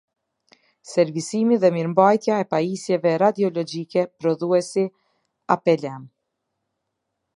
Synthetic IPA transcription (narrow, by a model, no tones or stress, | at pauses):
sɛɾvisimiðɛmiɾmbajt̪jaɛpajisjɛvɛɾad̪iɔlɔd͡ʒikɛpɾɔðuɛsi | apɛlɛm